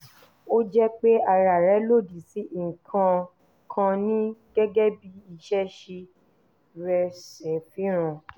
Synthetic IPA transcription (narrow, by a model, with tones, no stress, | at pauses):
o˦d͡ʒɛ˦k͡pe˦a˧ɾa˨ɾɛ˨˦lo˦˨di˨si˨˦ʔŋ̩˨kʰã˧ | kʰã˧nĩ˦ɡ̥ɛ˦ɡɛ˦bi˦i˦˧˨ʃɛ˦ʃe˧ | ɾɛ˧sɛ˨˦fi˨˦ɾ̃ã˨